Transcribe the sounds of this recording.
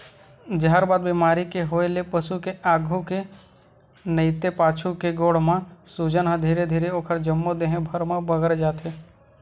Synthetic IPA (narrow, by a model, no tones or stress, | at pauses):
d͡ʒəɦaɾbaːd̪̚bimaːɾikeɦoːelepəsukeʔaːɡʱuke | nəɪt̪epaːt͡ʃʰukeɡoːɽ̤mãsud͡ʒənɦə̃d̪ʱiːɾed̪ʱiːɾeoːkʰəɾd͡ʒəmːod̪eɦẽbʱəɾmãbəɡəɾd͡ʒaːt̪ʰe